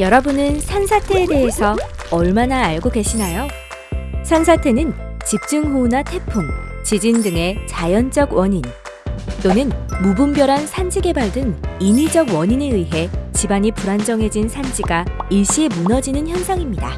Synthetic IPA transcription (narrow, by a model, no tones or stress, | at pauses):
jʌɾʌbunɯnsʰansʰatʰe̞ːde̞ɦesʰʌ | ʌɭmanaːɭɡoɡe̞ɕʰinajo | sʰans̬ʰatʰe̞nɯnt͡ɕip̚t͡ɕ͈ɯŋɦunatʰe̞pʰuŋt͡ɕid͡ʑindɯŋe̞t͡ɕajʌnd͡ʑ͈ʌɡwʌɲin | t͈onɯnmubumbjʌɾansʰand͡ʑiɡe̞baɭdɯninid͡ʑʌɡwʌɲineɯiɦe̞t͡ɕibaɲipuɾand͡ʑʌŋɦe̞d͡ʑinsʰand͡ʑiɡaiɭɕ͈imunʌd͡ʑinɯnçjʌnsʰaŋimɲida